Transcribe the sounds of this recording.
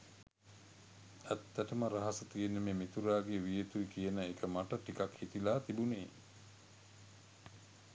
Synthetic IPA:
æt̪ːæʈəməɾaɦasət̪ienːəmeːmit̪uɾaːɡeʋijet̪uikijənəekʰəmaʈəʈikakhit̪ilaːt̪ibuneː

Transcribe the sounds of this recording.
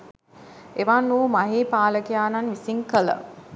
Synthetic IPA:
eʋanːuːmaɦeːpaːləkijaːnanʋisiŋkələ̰

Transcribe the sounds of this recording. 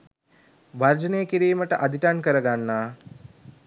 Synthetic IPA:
ʋard͡ʒənejəkiɾiːməʈəʔad̪ʱiʈankəɾəɡanːaː

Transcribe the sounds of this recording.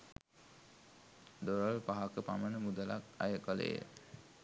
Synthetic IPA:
d̪oɾəlpaɦakəpamənəmud̪əlakajəkələ̰jə̰

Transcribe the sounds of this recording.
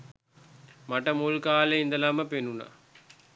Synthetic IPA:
maʈəmulkaːleind̪ɐlaməpenuna̰

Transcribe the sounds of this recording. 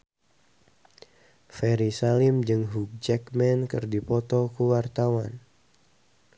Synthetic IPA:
fɛɾisalimd͡ʒɨŋɦuk̚d͡ʒɛkmɛnkɨrdipɔt̪ɔkuwart̪awan

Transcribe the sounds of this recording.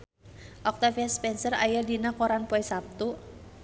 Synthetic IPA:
ʔɔk̚t̪afiaspɛnsəra̰jadinakoɾanpɔɛsap̚t̪u

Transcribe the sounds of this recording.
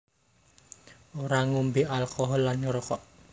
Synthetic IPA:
oɾaŋumbialkɔɦɔlːanɲuɾɔkɔʔ

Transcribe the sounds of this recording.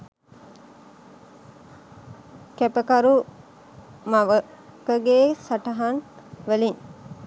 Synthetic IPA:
kæpəkaɾu | maʋə | kəɡeːsaʈəɦan | ʋəlin

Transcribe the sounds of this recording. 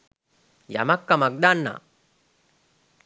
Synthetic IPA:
jɐ̰mɐkːɐmɐɡ̚d̪aːnːa̰

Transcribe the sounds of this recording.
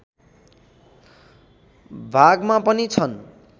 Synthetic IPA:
bʱaɡmapʌnit͡sʰʌn

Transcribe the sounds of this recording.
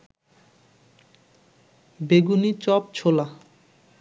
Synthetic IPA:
beɡunit͡ɕɔp̚t͡ɕʰola

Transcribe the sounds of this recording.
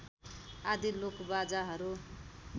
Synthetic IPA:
ad̪ilokbad͡zaɦʌɾu

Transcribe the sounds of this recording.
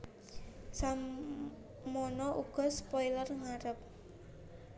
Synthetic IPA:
sam | monɔʔuɡ̥ɔ̤spɔjlərŋaɾəp̚

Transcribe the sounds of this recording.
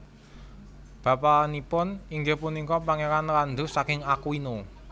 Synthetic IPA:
b̥a̤panipʊniŋɡehpunikɔpaŋeɾanɾand̪ṳsakɪŋakuino

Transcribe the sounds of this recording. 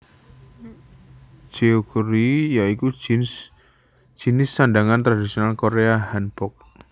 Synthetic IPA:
d͡ʒ̥eokuɾijaiku | d͡ʒ̥inɪsːandaŋant̪ɾadisionalkoɾeaɦanb̥ɔk̚

